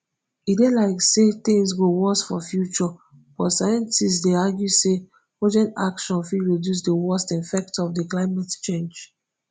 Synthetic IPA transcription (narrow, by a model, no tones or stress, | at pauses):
idelaɪkset̪ĩŋsɡowɔsfɔfjut͡ʃɔ | b̥ɔtsajɛ̃ntisstdeaɡjuse | pod͡ʒɛ̃nta̰kʃɔ̃nfidɹedjus̬dəwɔstifɛk̚tɔfdiklaɪmatt͡ʃẽnd͡ʒ